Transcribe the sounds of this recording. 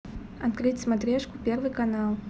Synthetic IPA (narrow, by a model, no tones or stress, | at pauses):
ɐt̪kɾɨt͡sʲsmat̪ɾʲɛʂkupʲɛrvɨkanalˠ